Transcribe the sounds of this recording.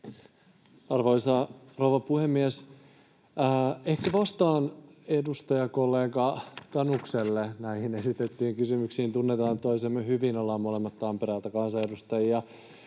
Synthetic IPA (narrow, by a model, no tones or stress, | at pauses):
ɑrʋoisɑrouʋɑpuhemːies | ehkæʋɑst̪ɑːnedust̪ɑjɑkolːeːɡɑt̪ɑnukselːenæihine̞sit̪et̪ːiːŋkysymyksiːnt̪unːet̪ɑːnt̪oisemːøhyʋinolːɑmːolemːɑt̪ːɑmpeɾælt̪ækɑnsɑe̞dust̪ɑjiɑ